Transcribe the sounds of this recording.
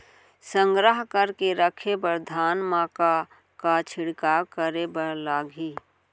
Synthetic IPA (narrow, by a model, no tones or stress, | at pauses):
sə̃ŋɡɾəɦkəɾkeɾəkʰebəɾd̪ʱaːnmãka | kat͡ʃʰɪɽkaːkəɾebəlaːɡʱi